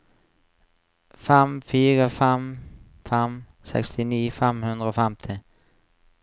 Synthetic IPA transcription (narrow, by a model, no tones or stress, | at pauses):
fɛmfyːɾafɛm | fɛm | sɛ̰kst̪ʰɪniːfɛmhɵnd̪ɾəofɛmt̪ʰɪ